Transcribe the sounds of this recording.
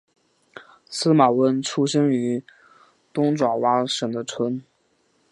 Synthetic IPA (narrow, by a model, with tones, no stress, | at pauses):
sɹ̩˥ma˨˩wə˥nʈ͡ʂʰu˥ɕi˥ny˧˥ | t̪ʊ˥ŋʈ͡ʂwɑ˨˩ʊwa˥ʂə˨˩ŋd̪ə˦ʈ͡ʂʰwə˥n